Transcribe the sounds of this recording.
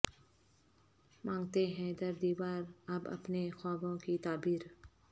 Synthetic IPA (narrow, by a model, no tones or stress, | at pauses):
mãːŋɡt̪eɦɛ̃d̪əɾd̪iːʋaːɾəbɐ̰pnexɔːbõkit̪aːbiːɾ